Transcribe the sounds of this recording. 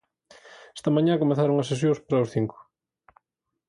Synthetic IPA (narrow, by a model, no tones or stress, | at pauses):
e̥st̪ɐmãɲãkomeθaɾoŋɐses̬jõspaɾɐosθiŋkʊ̥